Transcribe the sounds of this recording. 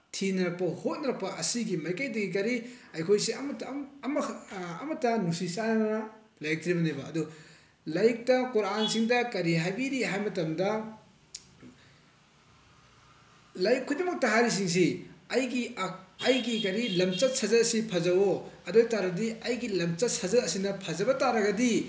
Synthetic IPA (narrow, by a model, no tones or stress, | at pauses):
tʰinɐɾɐk̚pɐhot̚nɐɾɐk̚pɐʔɐsiɡimɐjkajdɐɡik̬ɐɾi | ɐjkʰojsiɐmtɐmɐ̰ːmɐtːɐnusisanɐnɐ | lɐjk̚tɾibɐnejbɐːdu | lɐjk̚tɐkɔɾansiŋdɐkɐɾiɦajbiɾiɦajmɐtɐmdɐ | lɐjkʰːojdɐmɐk̚tɐɦaɾis̬iŋs̬iɐjɡiɐjɡikɐɾilɐmt͡ʃɐt̚sɐzɐɐsipʰɐzɐwoɐdojtaɾɐdiɐjɡilɐmt͡ʃɐt̚sɐzɐɐsinɐpʰɐzɐbɐtaɾɐɡɐdi